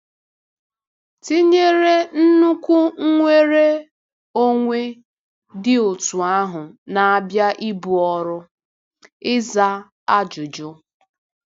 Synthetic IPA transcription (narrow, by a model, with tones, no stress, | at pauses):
ti˦ɲe˦ɾe˦n̩˦nu˦kʷu˦ŋ̩˦ŋʷe˦ɾe˦ | o˦ŋʷe˦ | dɪ˦ʊ˨tu˨a˦ɦʊ˨na˨a˨bja˦ʔi˦bu˨ɔ˦ɾʊ˦ | ɪ˦za˦ | a˦d͡ʒʊ˨d͡ʒʊ˦